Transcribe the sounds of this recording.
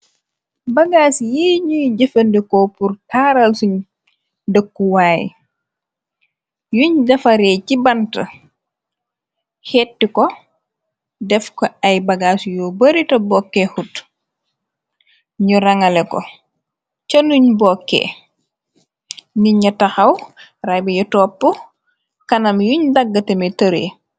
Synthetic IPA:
bɐɡaːsjiːɲujɟəfɐndɛkɔpuɾkaːɾɐlsuɲ | dəkːuwaːj | juɲdɐfɐɾɛːcibantɐ̰ | hɛtːikɔ | dɛfkoajbaɡaːsujɔːbɐɾitɐbɔkːehut | ɲuɾaŋalɛkɔ̰ | t͡ʃɐnuɲbɔːkːḛ | niɲɐtaxɐwrabɛjutɔːpːu | kɐnɐmjuɲdaɡːɐtemɛtəɾḛː

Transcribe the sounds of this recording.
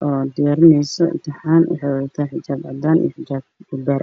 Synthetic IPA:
ʔɔːd̪ɪjaːɾɪnɛjsɔʔɪ̰t̪ʰɪħaːnw̰ħɑjwɛjt̪ʰaːħɪt͡ʃaːbʕɑ̰d̪aːnḭjɔħɪd͡ʒaːb̚bʊb̪aːɾʔ

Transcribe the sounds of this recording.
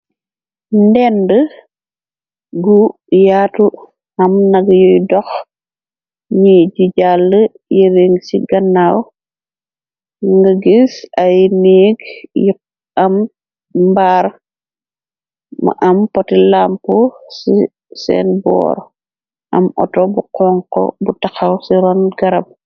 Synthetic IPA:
ndɛndə | ɡu | jaːtu | ɐmnɐɡjɔjdɔx | ɲiɟiɟalːə | jəɾeŋsiɡɐnːaw | ŋɡɐɡisɐjniɡji | ɐm | mbaːɾ | mɐ̰ʔɐmpɔtilampusi | sɛ̰ːnbɔ̰ːɾ | ʔɐmɔ̰tɔbuqɔŋkɔ̰butɐxɐwsiɾɔnɡɐɾɐp̚

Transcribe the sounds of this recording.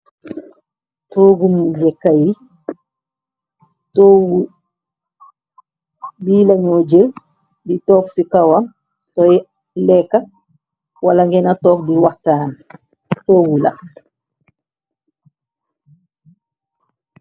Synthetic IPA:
toɡumjɛkaji | toɡu | biːlaɲod͡ʒel | ditɔːksikawam | sɔjɛ | lɛkːa | walaŋɡɛnatɔːk̚diwahtaːn | toːɡula̰

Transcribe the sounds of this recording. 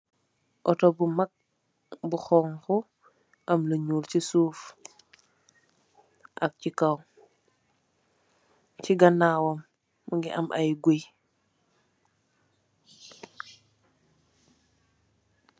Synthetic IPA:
ʔɔtɔbumak̚ | buxɔːŋxu | ʔamləɲuːlcisuːf | ʔak̚cikaw | ciɡanawɔmː | uŋɡḭʔamʔa̰jɡuj

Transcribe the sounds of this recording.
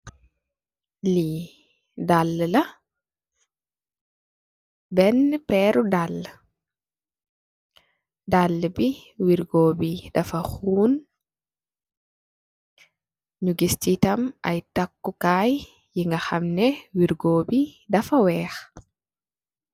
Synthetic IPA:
li | dalːəlɐ | bɛnpɛːɾudalː | dalːbiwiɾɡoːbidɐfɐxuːn | ɲuɡistitɐmʔɐjtakːukaːj | jiŋɡɐxɐmnɛwiɾɡoːbidɐfɐwɛːx

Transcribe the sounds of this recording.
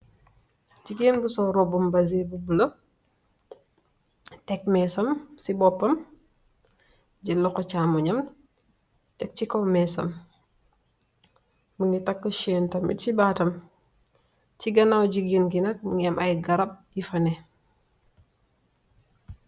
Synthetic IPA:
d͡ʒiɡinbusɔɾɔbumbɐzebubulɐ | tɛk̚mɛsɐmsibɔpːɐm | d͡ʒilːɔkɔt͡ʃamɔɲɐm | tɛk̚t͡ʃikɔmɛsɐ̰m | məŋɡitɐkːɔʃɛːntɐmḭtsibatɐm | t͡ʃiɡɐnawɟiɡinɡinɐt̚məŋɡɐmʔɐjɡɐɾɐb̚jifɐnɛ

